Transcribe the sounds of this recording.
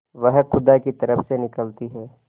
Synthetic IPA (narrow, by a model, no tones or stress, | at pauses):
ʋɐɦxʊd̪akit̪ɐɾəfsenɪkəlt̪iɦɛː